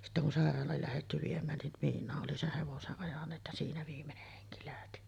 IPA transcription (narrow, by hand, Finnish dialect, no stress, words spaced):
sitːæ kun sɑˑerˑɑːlˑɑːl læhetːy ʋiemˑæːn nin miːnˑɑːʔ ʔoli seh heʋoseʔ ʔɑjɑnˑeːt jɑ siːnæ ʋiːmːeneh heŋki læhti